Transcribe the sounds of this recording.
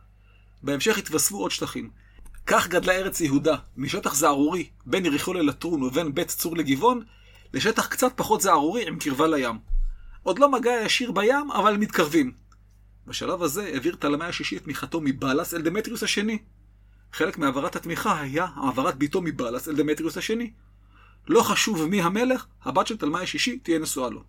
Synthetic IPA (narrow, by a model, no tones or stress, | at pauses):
beemʃe̞χhit̪vasfuʔo̞dʃt̪aχim | kaχɡadlaeʁet͡sjeɦudamiʃe̞taχzaaʁuʁi | be̞nʁiχolelat̪ʁunovenbe̞t̪t͡suʁleɡivo̞n | leʃe̞taχkt͡sat̪̚paχo̞tzaaʁuʁiimkiʁvalajamʔo̞dlo̞maɡaajaʃiʁbajama̰valemit̪kaʁvim | baʃa̰lavhaze̞eviʁt̪alamajaʃiʃit̪miχato̞mibalaseld̪emet̪ʁiushaʃe̞ni | χe̞le̞kmiavaʁathat̪miχaɦajahaːvaʁat̪̚bito̞mibalaseld̪emet̪ʁiushaʃe̞ni | lo̞χaʃuvmiɦame̞le̞χhabatʃelt̪almajaʃiʃit̪ijenesualo̰